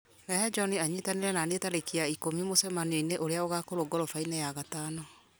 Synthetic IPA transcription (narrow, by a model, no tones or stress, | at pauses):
nɛɦɛd͡ʒɔniaɲitaneɾɛnanetaɾekiaikomimosɛmanioineʔoɾeaoɣakoɾoɡɔɾɔfainɛjaɣatanɔ